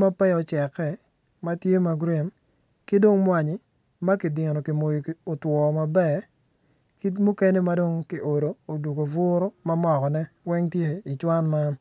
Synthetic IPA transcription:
ma˦pɛ˦ɔ˨t͡ʃɛ˨kɛ˨ | ma˦tje˦ma˨ɡɾi˨n | kɪ˦do˦ŋmwa˨ɲɪ˨ | ma˦kɪ˨dɪ˨ɾo˨kɪ˨mo˨ji˨o˨twɔ˨ma˨bɛ˦˨ | ki˦mu˦ke˦ne˦ma˦do˦ŋkɪ˨ʔo˨ɾo˨o˨du˨ɡo˨vʊ˦ɾo˦ma˦mɔ˨kɔ˨nɛ˦wɛ˦ŋtje˦i˨t͡ʃwa˦nma˦n

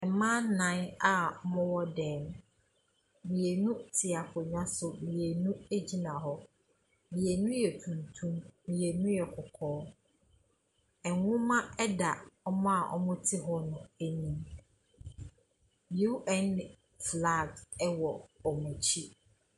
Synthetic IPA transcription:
ɛ˨mã˦nnã˦n˦a˨˦mʊ̃˦wɔ˦dɛ̃ː˨˦m | mĩ˨e˨nũ˦tʰɪ˨a˨fʊ˨ɲᶣã˦sʊ˨mĩ˨e˨nũ˦e˦d͡ʑi˦nã˨ɦɔ˦ | mĩ˨e˨nũ˦jɛ˨tʰũ˨ntʰũ˦mmĩ˨e˨nũ˦jɛ˨kʰʊ˨kʰɔː˦ | ɛ˨ŋʊ̃˦mã˦ɛ˦da˨ɔ˦mɔ̃˦a˨ʔɔ̰˦mʊ̃˦tʰɪ˦ɦɔ˦nʊ̃˨æ˨nĩ˦m˨ | u˦ʔɛ̃˦n | fla˦˨ɡɛ˦wɔ˨ɔ˨mɛ̃˨t͡ɕʰi˦

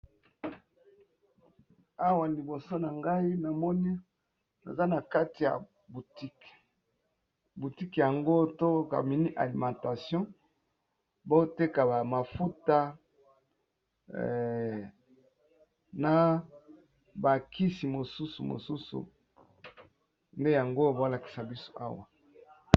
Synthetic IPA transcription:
a˦wa˨li˨bo˨so˦na˨ŋɡa˦i˦na˨mɔ˦ni˦ | na̰˨za˦na˨ka˦ti˨ja̰˨ | bu˨ti˦k | bu˨ti˦kja˨ŋɡo˦to˦ka̰˨mi˨ni˦ʔa̰˨li˨mã˨ta˨sjɔ̃˦ | bo˦te˦ka˨ba˨ma˨fu˦ta˦ | na˨ | ba˨ki˦si˨mo˨su˦su˨mo̰˨su˦sṵ˨ | nde˦ja˨ŋɡo˦˨bo˦la˨ki̥˨sa˨bi˦so̥˦ʔa̰˦wa˨

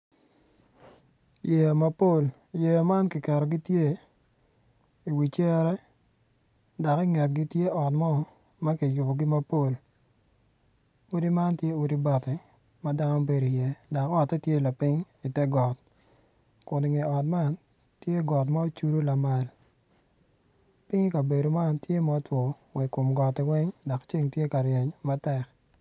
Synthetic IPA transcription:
je˨jma˦po˦˨l | je˨jma˦nkɪ˨kɛ˨ɾɔ˨ɡi˦tje˦ | i˨wi˨t͡ʃɛ˦ɾɛ˦ | da˨kɪ˦ŋɛ˨t̚ɡi˦tje˦ɔ˨tmɔ˦˨ | ma˦ki˨jʊ˨bɔ˨ɡɪ˦ma˦po˦l | u˦di˦ma˦ntje˦u˨di˦ba˨tɪ˨ | ma˦da˦nɔ˦be˨ɾo˨jɛ˦dɔ˨kɔ˨tːɛ˦tje˦la˨pɪ˦ŋ | i˨tɛ˦ɡɔ˨t̚ | kʊ˨ndi˨ŋe˨ɔ˨tma˦n | tje˦ɡɔ˨t̬ma˦o˦t͡ʃu˦ɾo˦la˨ma˨l | pɪ˦ŋi˦ka˨be˨do˨ma˦ntje˦mɔ˨˦twɔ˨ | wɛ˨ko˨mɡɔ˨tɛ˨wɛ˦ŋdɔ˨kt͡ʃi˦ŋtje˦ka˨ɾjɛ˨ɲma˦tɛ˦˨k

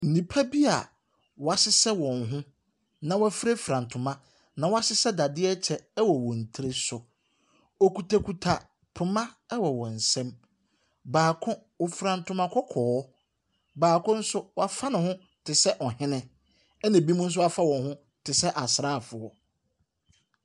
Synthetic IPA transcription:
n̩˨nĩ˨pʰa˦bi˦a˨ | wɔ˨a˨sɪ˦sɛ˦wɔ̃˨nɦʊ̃˦ | nã˨wa˦fɾe˦fɾã˨ntʰʊ̃˨mã˦ | nã˨wɔ˦a˦sɪ˦sɛ˦da˨dɪ˦ɛ˦t͡ɕʰɛ˨ɛ˦wɔ˨wɔ̃˨n̩˨tʰi˦ɾe˦sʊ˨ | ɔ˨ku˨tʰa˨kʰu˨tʰa˨ | pʰʊ˨mã˦ɛ˦wɔ˨wɔ̃˨n̩˨sɛ̃˦m | baː˨kʰʊ̃˦ | wɔ˨fɾã˨ntʰʊ̃˦mã˨kʰɔ˦kʰɔː˨˦ | baː˨kʰʊ̃˦n̩˦sʊ˦wa˨fa˦nʊ̃˨hʊ̃˦ | tʰɪ˨sɛ˦ʔɔ˨hɪ̃˦nɪ̃˦ | ɛ˦nã˨bi˦mũ˦n̩˦s̬ʊ˦wa˦fa˦wɔ̃˨nhʊ̃˦ | tʰɪ˨sɛ˦ʔa˨sɾaː˦˨fʊ˨ɔ˨

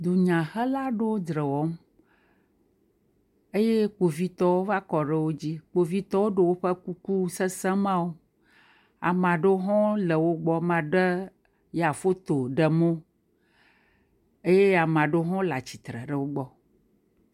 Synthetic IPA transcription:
d̪o˨ɲã˨xə˦la˦ɖo˦d̪ɾə˨wɔ˦m | e˦je˦k͡po˨vi˦t̪ɔ˦wo˦va˦kɔ˨ɖə˦wo˦d͡ʑi˦k͡po˨vi˦t̪ɔ˦wo˦ɖe˨wo˦ɸə˦ku˦ku˦sə˦sɛ̃˦mã˦wo˦ | a̰˨mã˨ɖe˦ɦɔ̃˦lə˨wo˦ɡ͡bɔ˦mã˨ɖə˦ | ja˨fo˦t̪o˨ɖə˨mo˦ | e˦je˦a˨mã˨ɖe˦ɦɔ̃˦la˨t͡ɕi̥˨t̪ɾə̰˨ɖə˦wo˦ɡ͡bɔ˦

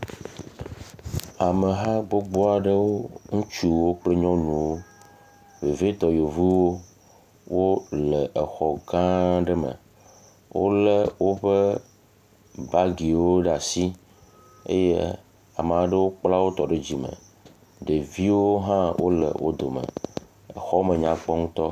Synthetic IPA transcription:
a˨mə˨ɦa˦ɡ͡bo˦ɡ͡bɔ˦a˨ɖə˦wo˦ŋũ˦t͡ʃu˦wo˦k͡plə˦ɲɔ̃˦nũ˨wo˦ | ve˨ve˦t̪ɔ˨jo˨vu˦wo˦ | wo˦lə˨ʔə˨xɔ˨ɡã˦ɖə˦mə̰˨ | wʔo̰˦lə˨wo˦ɸe˦ | ba˦ɡi˨wo˦ɖa˨si˦ | ḛ˦je˦ | a˨m˨a˨ɖə˦wo˦k͡pla˦wo˦t̪ɔ˨ɖe˦d͡ʑi˨mə̰̃˨ | ɖe˨vi˦wo˦ɦã˦wʔo̰˦lə̰˨wʔo˦d̪o˨mə̰˨ | ə̰˨xɔ˦mə̃˨ɲã˨k͡pɔ˦ŋũ˦t̪ɔ˦

